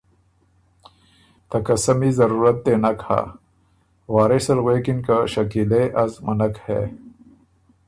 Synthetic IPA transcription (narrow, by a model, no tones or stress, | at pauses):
t̪ɐkɐsɐmizɐɾuɾɐt̪̚d̪enɐkʰa̰ː | waːɾesɐlɣwekinkaɕɐkileʔɐzmɐnɐkhḛ